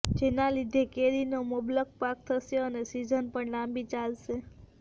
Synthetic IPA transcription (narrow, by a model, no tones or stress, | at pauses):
d͡ʒenalid̪ʱekeɾinoməblək̚pak̚t̪ʰəʃeənesid͡ʒənpəɳnambit͡ʃalʃe